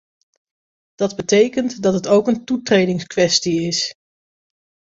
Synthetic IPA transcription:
d̥ɑdbətejkəntdɑtɦətowkəntutrejdɪŋskʋɛstiɪs

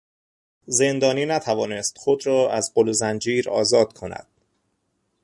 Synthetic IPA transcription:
ze̞nd̪ɒːniːnæt̪ʰævɒːnest̪xod̪ɾɒːʔæzɢolozænd͡ʒiːɾɒ̰ːzɒːd̪̥kʰo̞næ̰d̪̥

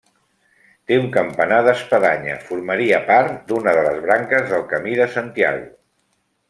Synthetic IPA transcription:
t̪euŋkəmpənaðəspəðaɲə̰fuɾməɾiəpaɾt̪d̪unəðələzβɾaŋkəzðəlˠkəmiðəsənt̪ia̰ɣṵ

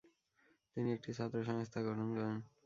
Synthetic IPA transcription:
t̪iniek̚ʈisat̪ːɾoʃ̬ɔŋst̪ʰaɡɔʈʰond͡ʑɔen

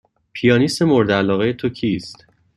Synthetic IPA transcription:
pʰijɒːnise̞moɾd̪eælɒːɣe̞jet̪ʰocʰiːst̪

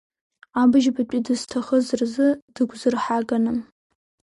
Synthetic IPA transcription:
abɨʒbat͡pʼidɨztʰaχəzɨrzɨd̥ɨɡʷzɨrħaɡanɨm

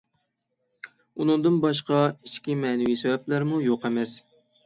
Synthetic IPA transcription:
unɨŋd̪ɨnbɑʃ̬qɑit͡ʃkʲimɛːnɪwisɛwɛplæɾmujoqɛmɛs

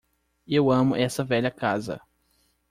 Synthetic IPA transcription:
ewɐ̃mʊʔɛsɐvɛʎɐkazɐ̰

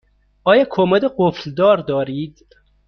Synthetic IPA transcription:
ɒːjɒːkʰomæd̪eɢofld̪ɒːɾd̪ɒːɾiːd̪̥

